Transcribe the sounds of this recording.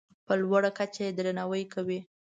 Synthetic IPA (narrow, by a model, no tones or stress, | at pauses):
pəlwaɽakat͡ʃajed̪ɾanawəjkawi